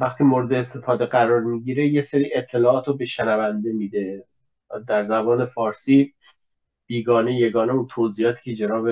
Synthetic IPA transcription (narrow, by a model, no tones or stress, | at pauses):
væxt̪ʰiːmoɾed̪eest̪ʰe̞fɒːd̪e̞ɡæɾɒːɾmiːɟiːɾe̞jeseɾiːʔet̪ʰːe̞lɒːɒːt̪ʰɾobeʃenævænd̪e̞miːd̪e̞ | d̪æɾzæbɒːne̞fɒːɾsiː | b̥iːɡɒːneje̞ɡɒːneunt̪ʰoziːhɒːt̪ʰi̥ːcʰe̞d͡ʒenɒːbe